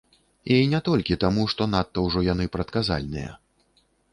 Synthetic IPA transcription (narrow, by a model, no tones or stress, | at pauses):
inʲɛt̪ɔlʲkʲit̪amuʂt̪ɔnat̪ːɐwʐɔjanɨpɾɐt̪̚kaza̰lʲnɨjɐ̰